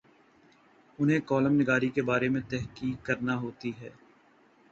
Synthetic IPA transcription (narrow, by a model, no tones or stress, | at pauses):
ʊnɦẽkɔːləmnɪɡaːɾikebaːɾemẽt̪ɛɦkiːkːɐɾnaɦoːt̪iɦɛː